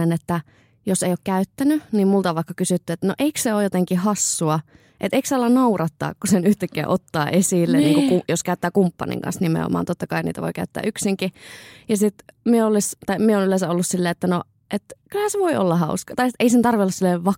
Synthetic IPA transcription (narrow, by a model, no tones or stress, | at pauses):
enet̪ːæ | joseijokkæyt̪ːænynimmult̪ɑʋɑˑikːɑkysyt̪ːyet̪ːænoʔeikseoːjot̪eŋkihɑsːuɑ | ʔḛt̪eiksɑlːɑnnɑurɑt̪ːɑ̰ːkkusenyht̪ekːæ̰ːʔot̪ːɑ̰ːʔesilːenniːŋkukujoskæyt̪ːæːkumpːɑ̰nḭŋkɑ̰nsnimḛo̰mɑ̰ːnt̪ot̪ːɑkɑinḭːt̪æ̰ʋo̰ikæyt̪ːæ̰ːʔyksiŋkijɑsit̪mieolist̪ɑimieoːnylensæolːussilːeːet̪ːæno | ʔet̪kylhænseʋoio̰lːɑhɑuskɑt̪ɑiieisent̪ɑrʋiolːɑsilːeʋʋɑ